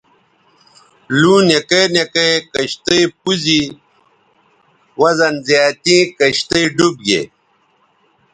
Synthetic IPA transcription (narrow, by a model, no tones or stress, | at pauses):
luːnekenekekɐɕt̪ɐjp̚uzi | wɐzɐnzjaːt̪ĩːkɐɕt̪ɐjɖub̚ɡḛ